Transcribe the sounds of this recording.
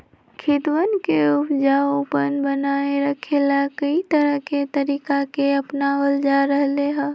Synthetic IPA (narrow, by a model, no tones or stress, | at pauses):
kʰɪt̪wənkeupd͡ʒaopənbənaeɾəkʰelakəit̪əɾəɦket̪əɾiːkakeəpnaʋəld͡ʒaɾəɦleɦə̃